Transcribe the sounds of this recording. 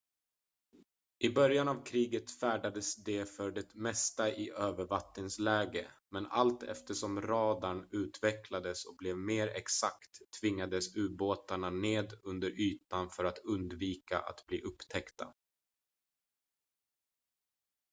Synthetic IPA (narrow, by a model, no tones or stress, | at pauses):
ʔɪbœɾjanavkʰɾiːɡət̪fæːɖad̪əsd̪ɛfœɖɛt̪mɛst̪aʔɪʔøːvəɾvat̪nɪŋslɛːɡəmɛna̰lt̪ʰɛ̰ft̪əʂɔmɾɑːd̪aɳʉ̟ːt̪vɛkʰlad̪əsɔk̚blɛvmeːɾɛ̰ksakt̪ʰːvɪŋːad̪əsʉ̟ːboːt̪aɳaneːd̪ɵnd̪əɾʔyːt̪anfœɾat̪ʰɵnd̪viːka̰ʔa̰t̪bliːʔɵpːt̪ʰɛkt̪ʰa